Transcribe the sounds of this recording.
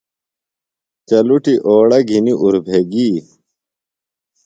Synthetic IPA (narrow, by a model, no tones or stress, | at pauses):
t͡ɕɐluʈiʔoːɽɐɡʱiniʔuɾbʱeɡiː